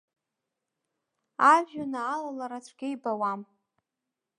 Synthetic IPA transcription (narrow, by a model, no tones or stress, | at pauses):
avʲᶣanaːlalaɾat͡ɕʷʰɡʲejbawam